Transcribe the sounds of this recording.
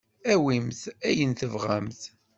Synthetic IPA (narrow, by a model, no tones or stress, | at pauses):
æwimθæjənθəvʁæmθ